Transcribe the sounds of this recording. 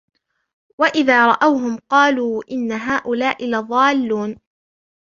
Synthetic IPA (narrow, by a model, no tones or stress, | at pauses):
waʔɪðaːɾˤɑʔawɦʊmqɑːluːʔɪnːaɦaːʔʊlaːʔɪlɑðˤɑːlːuːn